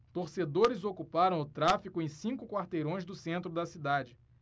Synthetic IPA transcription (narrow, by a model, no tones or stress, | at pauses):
t̪oɾsed̪oɾɪzokupaɾɐ̃w̃ʊt̪ɾafikʊẽj̃sĩŋkʊkwaɾt̪ejɾõj̃zd̪ʊsẽnt̪ɾʊd̪ɐsid̪ad͡ʒɪ